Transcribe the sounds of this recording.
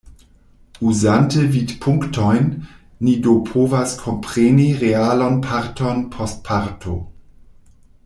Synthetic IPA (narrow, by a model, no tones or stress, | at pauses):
uzantəvitpʰuŋktʰɔjnː | idopʰoːvaskʰompʁeniʁealonpʰaɾtonpʰɔst̚pʰaɾtʰo